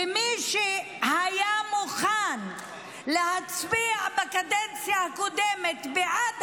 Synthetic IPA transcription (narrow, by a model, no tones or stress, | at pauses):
emiʃe | hajamuχan | lehat͡sbiaʕbakad̪ent͡sjahakod̪emet̪beʕad